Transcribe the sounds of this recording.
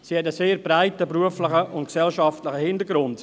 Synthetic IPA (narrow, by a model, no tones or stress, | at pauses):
sihɛtəseːɾbɾaɪtəbɾuəfləχəʔʊntksɛlʃɑftləχəhɪndəɾɡɾʊnd